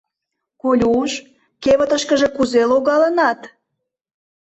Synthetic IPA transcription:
kolʲuʃ | keβə̆t̪əʃkə̆ʒe̽kuzeloɣɑlənɑt̪

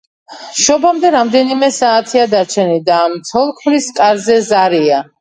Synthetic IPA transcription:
ʃɔbamd̪ɛɾamd̪ɛnimɛsaːt̪ʰiad̪at͡ʃʰɛnid̪aːmt̪sʰɔlˠkʰmɾiskʼaɾzɛzaɾia

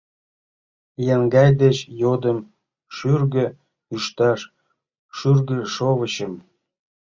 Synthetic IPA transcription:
jæŋɡɑjd̪et͡ɕjod̪ə̆m | ʃyrɡø̆ | yʃt̪ɑʃ | ʃyrɡə̆ʃoβə̆ɕəm

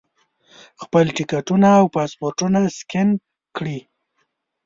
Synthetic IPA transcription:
xpəlʈɪkaʈunaːwpɑspoɾʈunaskɪn | kɽi

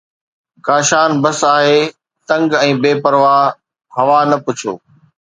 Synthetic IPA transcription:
kaːʃaːnbɐsaːɦeː | t̪ɐ̃ŋɡɛ̃ːbeːpɐɾʋaː | ɦɐʋanɐpʊt͡ɕʰo̰ː

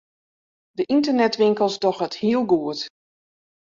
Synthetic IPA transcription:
dəʔintərnɛtʋɪŋkəlˠstɔxəthiəlˠɡuət

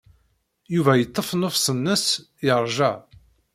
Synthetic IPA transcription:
juvæjət̪ˤːəfnofsənːəs | jəɾˤʒæ

